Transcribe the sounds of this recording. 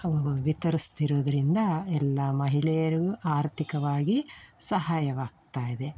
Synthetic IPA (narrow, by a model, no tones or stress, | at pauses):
ɐʋɐɡɐʋit̪ɐɾist̪iɾoːd̪ɐɾind̪ɐɛlːamɐɦiɭɛjɐɾiɡuʔaːɾt̪ʰikɐʋaːɡisɐɦaːjɐʋaːɡ̚t̪aːjid̪e̞